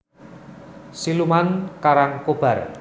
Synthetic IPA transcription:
silumankaɾaŋkob̥a̤r

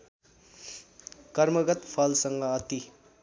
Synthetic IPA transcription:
kʌɾmʌɡʌt̪pʰʌlsʌŋɡʌːt̪i

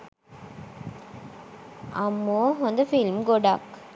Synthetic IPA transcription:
ɐmːoːʋɐnd̪ɐfɪlmɡɔɖa̰ːk

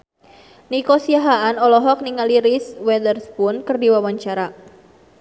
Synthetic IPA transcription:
nikɔsiaɦaʔanɔlɔɦɔk̚niŋaliɾiswɛdərspunkɨrdiwawaɲt͡ʃaɾa

